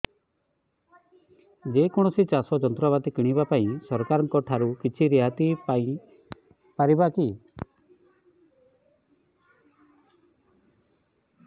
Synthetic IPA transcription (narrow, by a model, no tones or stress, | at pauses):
d͡ʒekɔɽ̃ɔsit͡ʃasɔd͡ʒɔnt̪ɾɔβat̪ikiɽ̃ibapaĩsɔɾkaɾɔŋkɔʈʰaɾukit͡ʃʰiɾiɦat̪ipaĩ | paɾibaki